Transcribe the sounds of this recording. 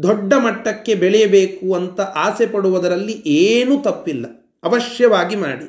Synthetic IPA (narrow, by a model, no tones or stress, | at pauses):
d̪ɔɖːɐmɐʈːɐkːe̞bɛɭɛjɐbeːkuɐnt̪ɐʔaːsepɐɽuʋɐd̪ɐɾɐlːiʔeːnut̪ɐpːilːɐ | ɐʋɐʃjɐʋaːɡima̰ːɽi